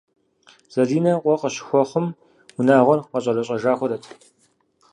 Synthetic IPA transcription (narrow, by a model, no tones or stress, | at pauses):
z̥ɐɮiːnɐqʷʼɔqɐɕɪ̥xʷɔχəm | wʊnaːʁʷɔrqɐɕʼɐrɐɕʼɐʒaːxʷɔɾɐtʰ